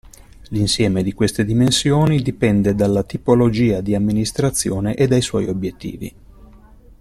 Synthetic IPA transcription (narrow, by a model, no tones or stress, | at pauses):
linsjɛːmed̪ikwest̪ed̪imensjoːnid̪ipɛnd̪ed̪alːat̪ipolod͡ʒiːad̪iamːinist̪ɾat̪sːjoːneʔed̪ːajswɔ̰ːjobjet̪ːḭːvḭ